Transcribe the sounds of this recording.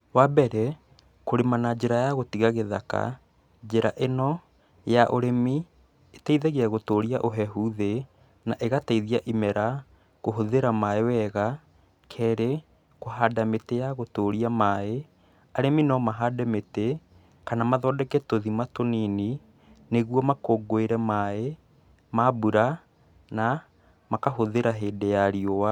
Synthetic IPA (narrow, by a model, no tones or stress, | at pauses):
wabɛɾɛ | koɾemanad͡ʒeɾajaɣotiɣaɣeða̰ka̰ | d͡ʒeɾaʔenɔ | jaʔoɾemi | etaiðɛɣeaɣotoːɾiaʔoɦɛɦuðe | naʔeɣataiðiaʔimɛɾa | ɣoɦoðeɾamaewɛɣa | kʰɛːɾe | koɦaːdametejaɣotoːɾiamae | aɾeminɔmaɦadɛmete | kanamaðɔːdɛkɛtoðimatonini | neɣuɔmakoːɡoeɾɛmae | mabuɾa | na | makaɦoðeɾaɦeːdejaɾiowa